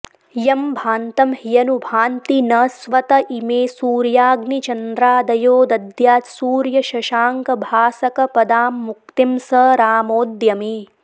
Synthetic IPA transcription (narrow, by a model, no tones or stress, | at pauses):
jɐmbʱaːnt̪ɐmhijɐnubʱaːnt̪inɐsʋɐt̪ɐʔimeːsuːɾjaːɡnit͡ʃɐnd̪ɾaːd̪ɐjoːd̪ɐd̪jaːt̪suːɾjɐʃɐʃaːŋkɐbʱaːsɐkɐpɐd̪aːmːuk̚t̪imsɐɾaːmoːd̪jɐmi